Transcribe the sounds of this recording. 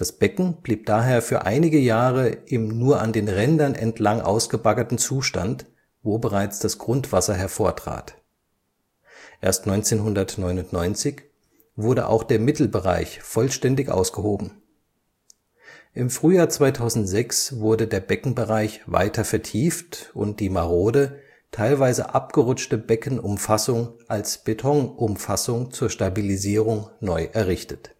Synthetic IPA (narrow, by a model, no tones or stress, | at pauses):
d̥asb̥ɛkŋ̩b̥liːp̚d̥aːɦeːɐfyːɐʔa̰ɪnɪɡəjaːʁəʔɪmnuːɐʔa̰ndeːnʁɛndɐnʔɛ̰ntʰlaŋʔa̰ʊsɡ̥əbakɐtn̩t͡suːʃta̰nt | voːbəʁaɪt͡sd̥asɡ̥ʁʊntv̥asɐɦɛɐfoːɐtʁ̥a̰ːt | ʔeːɐstnɔʏnt͡seːnɦʊndɐtnɔʏnʊntnɔʏnt͡sɪç | vʊɐɾə̰ʔa̰ʊxd̥eːɐmɪtl̩bəʁa̰ɪçfɔlʃtɛndɪçʔa̰ʊsɡ̥əhoːbm̩ | ʔɪmfʁ̥yːjaːɐt͡sv̥aɪtʰaʊzn̩tz̥ɛksv̥ʊɐdədeːɐbɛkŋ̩bəʁaɪçva̰ɪtʰɐfɛɐtʰiːftʔʊ̰nt̚d̥iːmaʁoːdə | tʰaɪlvaɪzə̰ʔapɡ̥əʁʊt͡ʃtəbɛkn̩ʔʊmfasʊŋʔalsb̥etʰɔŋʔʊmfasʊŋt͡suːɐʃtabiliziːʁ̞ʊŋnɔʏʔɛɐʁɪçtət